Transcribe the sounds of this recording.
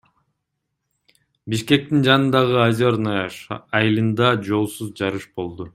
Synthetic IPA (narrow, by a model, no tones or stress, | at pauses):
biʃke̞k̚t̪ind͡ʒɑnɯnd̪ɑʁɯɑzʲoɾnɑʃːjɨlˠɯnd̪ɑd͡ʒo̞lˠsuzd͡ʒɑɾɯʃbo̞lˠd̪u